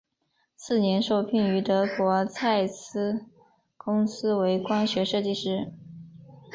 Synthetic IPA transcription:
sɹ̩˥˩njɛ˧˥nʂo˥˧ʊpʰi˥˩ŋy˧˥t̪ɤ˧˥kwɔ˧˥t͡sʰa˥˩ɪs̩˥ | kʊ˥ŋsɹ̩˥we˧˥ɪkwa˥nɕɥɛ˧˥ʂɤ˥˧t͡ɕi˥˧ʂɻ̩˥˩

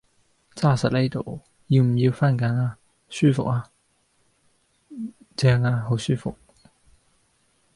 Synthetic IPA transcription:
t͡saː˥˩sɐ˨˩t̚le˥˩t̪o̰˨˩w | ji˧wm̩˨˩ji˧wfa˥˨nka˨˥naː˧ | syː˥˩fʊ̰˨k̚a˧ | t͡ɕɛː˧ŋaː˧ɦo˨˥wsyː˥˩fʊ̰˨k̚

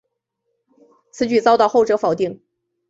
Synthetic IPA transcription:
t͡sʰɹ̩˧˥t͡ɕy˥˩t͡sɑ˥ʊt̪ɑ˥˧ʊxo˥ʊʈ͡ʂɤ˧˥fɑ˨˩ʊt̪i˥˩ŋ

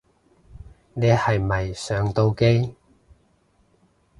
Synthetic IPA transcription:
neː˨˧hɐ˨jmɐ˨jsœː˨˧ŋt̪o˧wke˥j

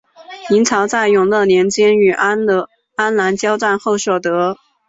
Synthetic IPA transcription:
i˧˥nt͡sʰɑ˧˥ʊt͡sa˥˩ɪjʊ˨˩ŋlɤ˥˩njɛ˧˥nt͡ɕjɛ˥ny˨˩ʔ | a˥nla˧˥nt͡ɕjɑ˥ʊʈ͡ʂa˥˧nxo˥˩ʊʂwɔ˨˩t̪ɤ˧˥

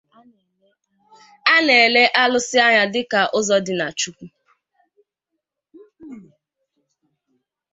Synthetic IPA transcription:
a˦ne˨e˨le˦ʔa˦lʊ˦sɪ˦a˦ɲa˦dɪ˦ka˨ʔʊ˦zɔ˦dɪ˨na˨t͡ʃu˦kʷu˦

